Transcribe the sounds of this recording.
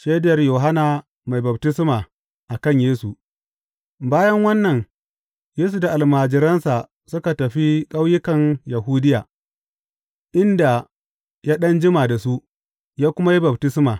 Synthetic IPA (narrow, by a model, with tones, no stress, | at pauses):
ʃeː˦dɪ˦jɐ˨rjoː˨ɦa˦naː˨ | ma˨jbɐ˨btɪ˦smaː˨ | ʔa˨kɐ˦ɲjeː˦su˨ | baː˦jɐ˦ŋwɐ˦nːɐ˨ŋ | jeː˦s̬u˨da˨ʔa˨lmaː˨d͡ʒɪ˨ɾɐ˦nsa˨ | sʊ˦ka˨tɐ˨ɸi˦kʼa˦wjɪ˦kɐ˨ŋja˨ɦuː˦dɪ˦jaː˨ | ʔɪ˦nda˨ | jaː˦ɗɐ˦nd͡ʒɪ˦maː˨da˨su˦ʔ | jaː˦kʷʊ˦ma˦ji˦bɐ˨btɪ˦smaː˨